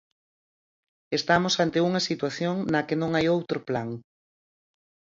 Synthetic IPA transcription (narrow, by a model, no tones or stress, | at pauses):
est̪amʊsant̪ɪuŋɐsit̪waθjoŋnɐkenõŋajowt̪ɾʊplaŋ